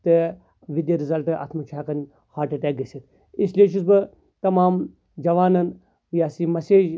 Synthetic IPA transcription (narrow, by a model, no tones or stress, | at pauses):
t̪ɨ | ʋid̪jɐɾizɐlʈɨʔɐ̰t̪ʰmut͡ʃʰaːkɐnʲ | haːɾʈɐʈɛːk̚ɡɐsit̪ | isleːt͡ʃ̬ʰuzbɨ | t̪ɐmaːm | d͡ʒɐʋaːnɐn | jaːsimɐseːd͡ʒ